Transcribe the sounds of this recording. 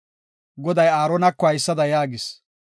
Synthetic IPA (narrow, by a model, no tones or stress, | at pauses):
ɡɔd̪ɐjaːɾɔnɐkːɔɐjsːɐd̪ɐjaːɡɪs